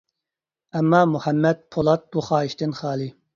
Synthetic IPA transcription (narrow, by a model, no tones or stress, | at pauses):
ɛmːɑːmuhɛmːɛd̪̚pʰolˠɑt̪̚b̥uχɑːiʃt̪ɪnχɑːlˠi